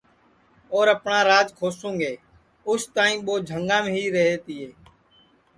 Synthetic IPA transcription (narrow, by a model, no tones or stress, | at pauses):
oːɾəpɳãːɾaːd͡ʒkʰoːsũːŋɡeː | ʊst̪ãːĩːɓoːd͡ʒʱəŋɡãːm̃ːɦiːɾəɦeːt̪iːɦeː